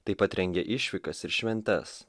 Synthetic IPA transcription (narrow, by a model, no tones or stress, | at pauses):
t̪ɐɪpɐt̪ɾʲɛŋʲɡʲɛʔɪʃʲʋʲɪkɐsɪɾʃʲʋʲɛnʲt̪ʲɛs